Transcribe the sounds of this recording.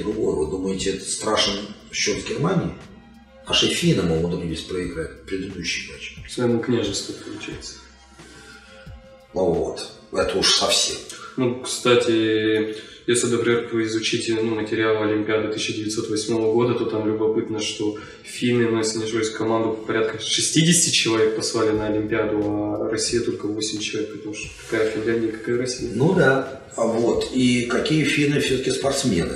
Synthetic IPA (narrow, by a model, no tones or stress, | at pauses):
d̪ɾʊɡojvɨ̰d̪uməjɪtʲɪɛt̪ə̥t̪st̪ɾaʂnɕːot̪vɡʲɪrmanʲɪɪ | naʂɨfʲinɨmoɡʊt̪dʲɪsʲtʲpɾəɪɡɾat̚ʲpɾʲɪd̪ɨd̪uɕːɪmat͡ɕsvɐjɪmuknʲaʐɨst̪vʊpəlˠʊ̰t͡ɕæ̰jɪt̪sə̥ | vo̰t̪ɛt̪əuʂsɐfsʲemnukst̪atʲɪ | jesʲlʲɪd̪əpɾʲɪmʲerpəɪzʊt͡ɕitʲɪnumətʲɪɾʲɪalˠəɐlʲɪmʲpʲɪad̪ʊt̪ɨsɕːɪdʲɪvʲɪt̪so̞t̪vɐsʲmo̞vəɡo̞d̪ət̪o̞t̪amlʲʊbɐpɨt̪nəʂt̪o̞ | fʲilʲmʲɪnosʲɪnʲɪʐosʲkɐmand̪ʊpəpɐɾʲat̪kəʂɨsʲtʲidʲɪsʲɪtʲɪt͡ɕɪlˠɐvʲe̞k̚pɐslˠalʲɪnəɐlʲɪmʲpʲɪad̪ʊɐrɐsʲːijət̪o̞lʲkəvo̞sʲɪmʲt͡ɕɪlˠɐvʲek̚pət̪ɐmuʂt̪ok̪ɐ̥kajəfʲɪnlʲænʲdʲɪjəkɐ̥kajəɾɐsʲijənud̪a | vo̞t̪ikɐkʲijəfʲilʲmɨfsʲɵt̪əkʲɪspɐrt̪smʲe̞̰nɨ̰